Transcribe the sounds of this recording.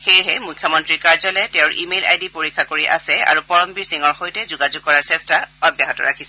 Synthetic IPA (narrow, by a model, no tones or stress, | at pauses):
xejɦɛmujkʰjɔmɔntɹiɹkaɹzɔlɛtɛ̃ʊ̃ɹʔimela̰jdipoɹikʰːakoɹiʔa̰sɛa̰ɹupɔɹɔmbiɹsiŋɔɹxojtɛzʊɡazuɡ̚kɔɹaɹsɛstaɔbjaɦɔtɔ̰ɹakʰisɛ